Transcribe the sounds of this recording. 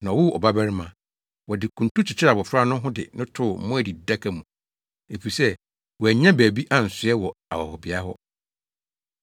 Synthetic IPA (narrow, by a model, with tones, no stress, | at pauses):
nã˨ɔ˨wʊ˦ɔ̰˨ba˦bæ˦ɾɪ˦mã˨ | wɔ˨dɪ˨kʰũ˨ntũ˦t͡ɕʰɪ˨t͡ɕʰɪ˦ɾa˨bɔ˨fɾa˦nʊ̃˦ɦʊ̃˦dɪ̰˨nʊ̃˦tʰʊ˦˨m̩˦mʊ̃˦æ˨di˨da˦kʰa˨mũ˨ | e˨fi˨sɛ˦ | wɔ˨æ˨ɲã˦bæː˨bi˦ʔa˨n̩˨sʊ˨˦ɛ˦wɔ˨a̰˨wɔ˨hɔ˨bɪ˨a˦ɦɔ˦